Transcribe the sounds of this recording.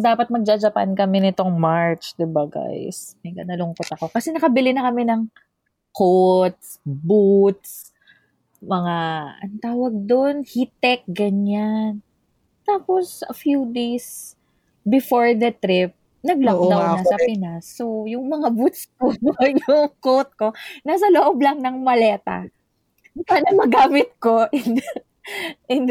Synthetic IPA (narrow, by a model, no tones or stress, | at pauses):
d̪aːpɐt̪̚mɐɡ̚d͡ʒad͡ʒɐpɐ̰nkɐmɛnɪt̪o̞ŋmaɹt͡ʃd̪ɪbaɡa̰jsmɐɡɐnɐlʊŋkot̪ɐko̞kɐsɛnɐkɐbɪlɪnɐkɐmɛnɐŋ | kot̪̚sbut̪s | mɐŋaɐ̰nt̪aːwɐɡ̚d̪o̞nhit̪ɛk̚ɡɐɲan | t̪aːposʔɐ̰fjud̪ejs | bɪfoɹd̪ɐt̪ɾɪp̚ | nɐɡ̚lakd̪ɐwnɐsɐpɪnasːojʊŋmɐŋabut̪skonokot̪̚ko̞naːs̬ɐloʔoblɐŋnɐŋmɐlɛːt̪ɐ̰ | kanɐmɐɡaːmɪt̪̚ko̞ʔɪn | ʔɪn